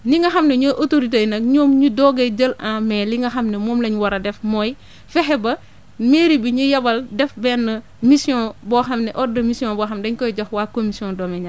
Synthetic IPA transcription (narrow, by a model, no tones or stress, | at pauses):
niŋɡɐxɐmneɲoʔotoɾit̬ejnɐk̚ɲoːmɲudɔɡɐjd͡ʒəlãmɛːliŋɡɐxɐmnɛmoːmlɐɲwɐɾɐdɛfmɔj | fɛxɛbɐ | meɾibiɲujɐbɐldɛfbɛːnːɐ | misiɔ̃ːbɔːxɐmnɛʔɔdɐmisijɔ̃ːbːxɐmdɐɲkɔjɟoxwaːkomisijɔ̃dɔːmɛɲa